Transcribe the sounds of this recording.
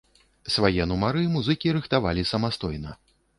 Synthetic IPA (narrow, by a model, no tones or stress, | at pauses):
svajɛnumaɾɨmuzɨkʲiɾɨxt̪ava̰lʲisɐmast̪ɔjnɐ